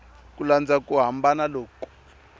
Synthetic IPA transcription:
kuland͡zakuɦambanaloːku̥

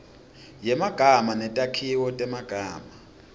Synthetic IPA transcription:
jɛmaɡ̥ʱamanɛtʼakʰiwɔtʼɛmaɡ̥ʱaːma

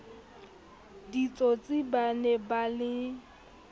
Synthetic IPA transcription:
dit͡sʼot͡sʼɪbanɛbalɪ

